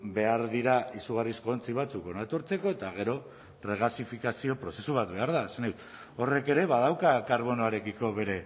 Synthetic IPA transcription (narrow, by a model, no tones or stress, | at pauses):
be̞aɾðiɾaisuɣ̞arisko̞ːnt͡siβ̞at͡suko̞nat̪o̞ɾt͡se̞ko̞e̞t̪aɣ̞e̞ɾo̞ | pre̞ɣasifikasio̞pɾo̞se̞suβ̞at̪̚βe̞aɾðaesaneut̪ | o̞re̞ke̞ɾe̞βaðawkakaɾβ̞o̞no̞aɾe̞kiko̞βe̞ɾe̞